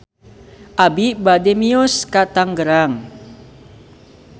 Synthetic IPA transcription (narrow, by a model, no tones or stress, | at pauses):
ʔabibademiuskat̪aŋɡəɾaŋ